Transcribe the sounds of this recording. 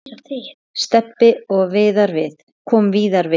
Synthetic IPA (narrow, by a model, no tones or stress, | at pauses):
st̪ɛpːɪɔɣvɪːðaɾvɪθ | kʰɔːmviːðaɾvɪ